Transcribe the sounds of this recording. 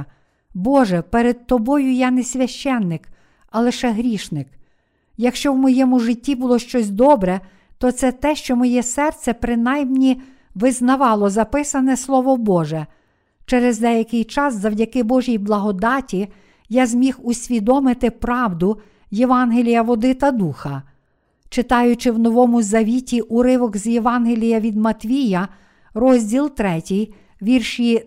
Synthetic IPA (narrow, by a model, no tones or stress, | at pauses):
bɔʒɛpɛɾed̪̥̚t̪ɔbɔjʊjɑnɛsʲʋʲjɐʃt͡ʃɛnːɪk | ɐlˠɪʃɛɦɾʲiʃnɪk | jɐkʃt͡ʃɔwmɔjɛmʊʒɪtʲːibulˠɔʃt͡ʃɔsʲd̪ɔbɾɛ | t̪ɔt̪sɛt̪ɛʃt͡ʃɔmɔjɛsɛrt̪sʲɛpɾɪnɑjmnʲi | ʋɪznɐʋɑlˠɔzɐpɪsɐnɛslˠɔʋɔbɔʒɛ | t͡ʃɛɾɛzd̪ɛjɐkɪjt͡ʃɑszɐwdʲɐkɪbɔʒʲijblˠɐɦɔd̪ɑtʲi | jazʲmʲixʊsʲʋʲid̪ɔmɪt̪ɪpɾɑwd̪ʊ | jeʋɑnɦelʲijɐʋɔd̪ɪt̪ɐd̪uxɐ | t͡ʃɪt̪ɑjʊt͡ʃɪwnɔʋɔmʊzɐʋʲitʲiʔʊɾɪʋɔɡzʲjeʋɑnɦelʲijɐʋʲid̪mɐt̪ʲʋʲijɐ | rɔzʲdʲilˠt̪ɾɛtʲij | ʋʲirʃi